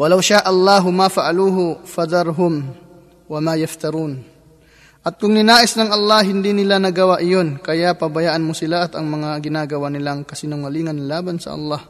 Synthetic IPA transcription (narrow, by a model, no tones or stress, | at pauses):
wɐlawʃaʔɐlˠːaɦʊmafaʔaluːɦʊfɐd̪ɑɾɦʊm | wɐmajɐft̪ɐɾuːn | ʔɐt̪̚kʊŋnɪnaːʔɪsnɐŋʔɐlˠːahɦɪnd̪inɪlanɐɡɐwaʔɪjonkɐjaʔpɐbɐjaːʔanmʊsɪlaʔɐt̪ɐŋmɐŋaɡɪnaːɡɐwanɪlaŋkɐsɪnʊŋɐliːŋɐnlaːbansɐ̰ʔɐ̰lːɑh